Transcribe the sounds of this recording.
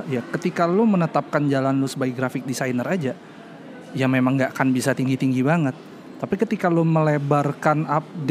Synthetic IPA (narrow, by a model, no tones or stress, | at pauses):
jakət̪ikalomənət̪ap̚kand͡ʒalanlusəbaiɡɾafɪk̚disajnərad͡ʒa | jamemaŋɡaʔakanbisat̪iŋɡit̪iŋɡibaŋət̪̚ː | apikət̪ikaloməlebarkanap̚d